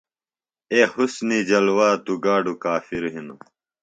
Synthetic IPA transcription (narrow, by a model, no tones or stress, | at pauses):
eːhusnid͡ʑɐlwaːt̪uɡaːɖukaːfiɾɦinu